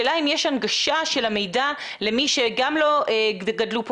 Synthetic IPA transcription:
elaimjeʃanɡaʃaʃe̞lame̞jda | lemiʃeɡamlo̞ʔeɡadlup

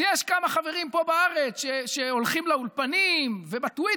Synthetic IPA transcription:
jeʃkamaχaveʁimpo̞baaʁe̞t͡sʃeʃeolχimlaulpanimvebat̪wi

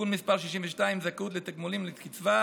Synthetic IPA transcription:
unmispaʁʃiʃimvəʃtaimzakut̪let̪akmulimlikit͡sva

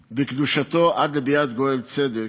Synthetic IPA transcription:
bekd̪uʃat̪o̞ʔad̪lebijat̪ɡoelt͡sed̪e

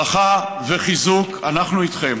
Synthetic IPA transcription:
aχa | veχizukanaχnuit̪χem

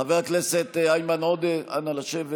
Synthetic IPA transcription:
aveakneset̪eajmanod̪eanalaʃev

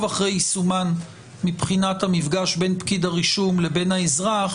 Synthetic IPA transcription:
vaχʁejsuman | mipχinathamifɡaʃbe̞npkidaʁiʃumle̞be̞nhaezʁaχ

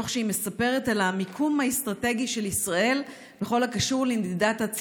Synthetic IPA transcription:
oχʃeime̞sape̞ʁe̞talamikʰumhaestʁate̞ɡiʃe̞lisʁaʔe̞l | beχo̞lhakaʃuʁlindidathat͡s

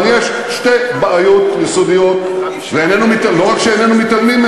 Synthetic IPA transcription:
njeʃ | ʃt̪ebaʔajot̪jesod̪ijot̪ | veenɛnumit̪loʁakʃeenɛnumit̪almim

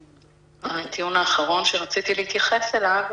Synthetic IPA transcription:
at̪iunaːχaʁo̞nʃeʁat͡sit̪ilehit̪jaχeselav

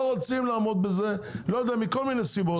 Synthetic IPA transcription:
oʁot͡simlaːmo̞d̪̚bezelojod̪eamiko̞lminejsibo

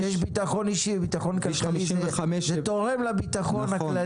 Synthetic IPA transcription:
jeʃbit̪aχo̞niʃibit̪aχo̞nkalkaalizeazet̪oʁemlabit̪aχo̞nhakla

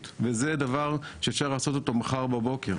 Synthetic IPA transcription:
t̪vezed̪avaʁʃeːfʃaʁlaːso̞t̪ot̪o̞maχaʁbabo̞ke̞ʁ

